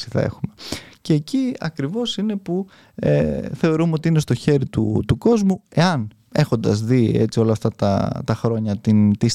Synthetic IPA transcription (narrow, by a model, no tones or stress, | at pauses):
si̥θɐ̰e̞̰xumece̞ːciɐ̰kɾivo̞sine̞pu | ḛθe̞o̞ɾumeo̞t̪iinest̪o̞çe̞ɾit̪ut̪uko̞zmue̞ɐn | e̞xo̞nd̪ɐzðiḛt͡sio̞lɐft̪ɐt̪ɐ̰t̪ɐxɾo̞ɲɐt̪int̪is